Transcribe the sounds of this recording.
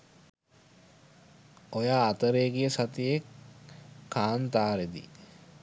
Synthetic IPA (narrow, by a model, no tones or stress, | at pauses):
ojaːt̪əɾeːɡijəsat̪ijekʰː | aːnt̪aːɾed̪ḭ